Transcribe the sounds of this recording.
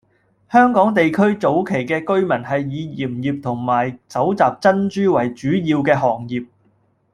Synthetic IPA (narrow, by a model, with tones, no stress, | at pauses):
hœː˥ŋkɔː˨˥ŋt̪e˨jkʰɵ˥ɥt͡so˨˥wkʰe˨˩jkɛː˧kɵ˥ɥmɐ˨˩nhɐ˨jːiː˨˧jiː˨˩mjiː˨p̚t̪ʰʊ˨˩ŋmaː˨˩jt͡sɐ˨˥wt͡saː˨p̚t͡sɐ˥nt͡ʃyː˥wɐ˨˩jt͡ʃyː˨˥jiː˧wkɛː˧ɦɔː˨˩ŋjiː˨˩p̚